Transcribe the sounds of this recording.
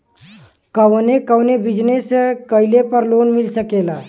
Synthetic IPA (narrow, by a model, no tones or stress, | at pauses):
kəʋnekəʋnebʱid͡ʒnesekəɪlepəɾloːnmɪlsəkeːlaː